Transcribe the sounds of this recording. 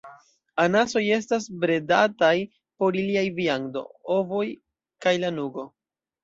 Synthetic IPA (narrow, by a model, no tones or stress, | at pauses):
anaso̞je̞stasbɾe̞da̰taj | po̞ɾiliajviaŋdo̞̰ovo̞j | kajlanuɡo̞